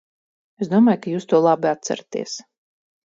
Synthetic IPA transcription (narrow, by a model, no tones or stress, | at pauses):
esd̪uɔmaːjkajuːst̪uɔlˠabiat̪sa̰ɾat̪ḭɛs